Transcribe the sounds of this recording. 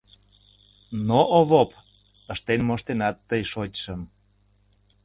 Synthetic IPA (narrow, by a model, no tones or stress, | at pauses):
noʔoβop | əʃt̪enmoʃt̪enɑt̪ːəjʃotʲʃəm